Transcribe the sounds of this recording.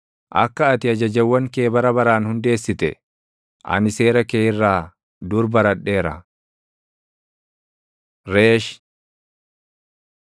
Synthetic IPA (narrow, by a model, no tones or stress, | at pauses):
ʔɐ̰kːɐːt̪ɪɐd͡ʒɐd͡ʒɐwːɐŋkeːbɐɾɐbɐɾaːnhʊnd̪e̞ːsːɪt̪ɛ | ʔɐ̰nɪse̞ːɾɐkeːɪrːaː | d̪ʊɾbɐɾɐᶑːe̞ːɾɐ | ɾeːʃ